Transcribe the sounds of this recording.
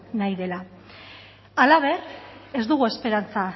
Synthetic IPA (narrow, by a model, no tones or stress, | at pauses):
najðe̞la | alaβ̞e̞re̞zd̪uɣue̞spe̞ɾant͡sa